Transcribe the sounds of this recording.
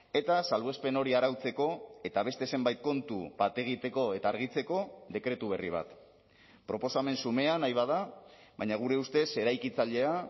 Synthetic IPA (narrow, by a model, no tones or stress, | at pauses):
e̞t̪asalβe̞spe̞no̞ɾiaɾawt͡se̞ko̞e̞t̪aβ̞e̞st̪e̞ːse̞mbajt̪̚ko̞nt̪ṵpat̪eɣit̪e̞ko̞e̞t̪aːɾɣ̞it͡se̞ko̞ðe̞kɾe̞t̪uβ̞erḭβ̞a̰t̪ | pɾo̞po̞same̞nsume̞anajβað̞aβajɲaɣ̞uɾe̞ust̪e̞se̞ɾajkit͡saʎe̞a